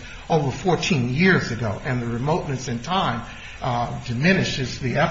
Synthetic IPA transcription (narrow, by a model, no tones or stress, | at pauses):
oʊvə˞fɔɹtʰĩnjɪɹzɨɡoʊʔɨ̃nðɨɹɨmoʊʔⁿnɨsɨ̃ntʰãɪ̃m | dɨmɪ̃nɨʃɪzðiɛ